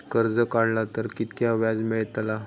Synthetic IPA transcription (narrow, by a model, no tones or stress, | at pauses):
kəɾd͡zəkaɽlat̪əɾkit̪kjaʋjad͡zmeɭt̪la